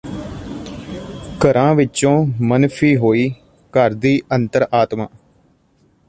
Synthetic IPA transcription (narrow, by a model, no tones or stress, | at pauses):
kəɾãːʋɪt͡ʃõːmənpʰiːɦoːiː | kəɾd̪iːʔənt̪əɾaːt̪mã̰ː